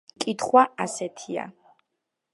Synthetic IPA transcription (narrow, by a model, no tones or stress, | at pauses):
kʼit̪ʰχwaasɛt̪ʰia̰